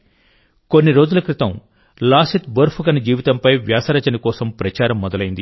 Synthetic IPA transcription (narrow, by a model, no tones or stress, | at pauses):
konːiɾoːd͡ʒulɐkɾit̪ɐm | laːsit̪̚bɐɾpʰukɐnɐd͡ʒiːʋit̪ɐmpɐjʋjaːsɐɾɐt͡ʃɐnikɔːsɐmpɾɐt͡ʃaːɾɐmːɔd̪ɐlɐjind̪i